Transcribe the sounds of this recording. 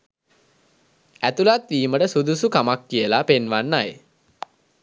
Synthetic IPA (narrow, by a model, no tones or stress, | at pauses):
æt̪ulat̪ʋiːməʈəsud̪usukamakːijəlapenʋanːaj